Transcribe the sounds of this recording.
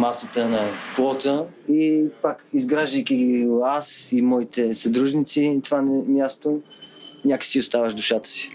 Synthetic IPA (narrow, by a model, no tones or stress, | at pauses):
masət̪ənɐplˠɔt̪əipakizɡɾaʒd̪əjkʲiɡiasimɔit̪ɛsɐd̪ɾuʒnit̪sit̪vanmʲjast̪o | nʲakə̥siʊst̪avəʃd̪ʊʃat̪ə̥si̥